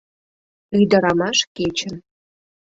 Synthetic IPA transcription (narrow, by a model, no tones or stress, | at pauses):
yjd̪əɾɑmɑʃket͡ɕə̆n